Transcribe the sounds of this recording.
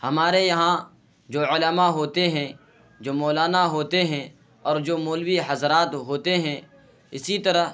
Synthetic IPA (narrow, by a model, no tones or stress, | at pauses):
hɐmaːɾejɐɦã | d͡ʒoːʊlaːmaɦoːt̪eɦɛ̃ | d͡ʒoːmɔːlaːnaɦoːt̪eɦɛ̃ | ɔːɾd͡ʒoːmoːlwiɦɐzɾaːt̪ɦoːt̪eɦɛ̃ | ɪsit̪ɐɾəɦ